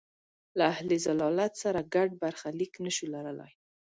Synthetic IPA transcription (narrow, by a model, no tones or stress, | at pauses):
laahlezalɑlat̪saɾaɡaɖ̚baɾxaliknəʃulaɾəla̰j